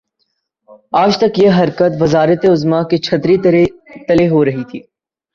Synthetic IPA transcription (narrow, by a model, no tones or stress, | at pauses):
aːd͡ʒt̪ɐkjeɦɐɾkət̪ʋɐzaːɾət̪eʊzmaket͡ʃʰɐt̪ɾit̪ɐleɦoɾɐɦit̪ʰiː